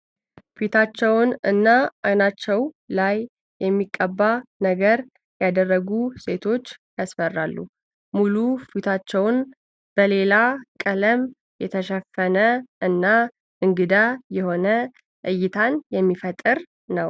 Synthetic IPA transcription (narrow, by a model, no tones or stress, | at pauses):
fit̪ʰat͡ʃːɛwnɨ̰nːaʔajnat͡ʃːɛw | lajː | ɛmːikʼːəbːanəɡəɾ | jad̪ərːəɡuse̞t̪ʰo̞t͡ʃːjasfərːalːu | mulufit̪ʰat͡ʃːɛwn | b̥əle̞lakʼələm | jɛt̪ʰəʃɛfːənəʔɨnːa | ʔɨŋɡɨd̪ajɛho̞nə | ʔɨjːɪt̪ʰanjɛmːifət̪ʼːɨɾ | nəw